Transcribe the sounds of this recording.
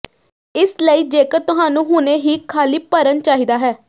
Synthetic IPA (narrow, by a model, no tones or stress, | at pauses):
ɪsləiːd͡ʒeːkəɾt̪ʊɦaːnũːɦʊneːɦiːkʰaːliːpəɾənt͡ʃaːɦiːd̪aːɦɛː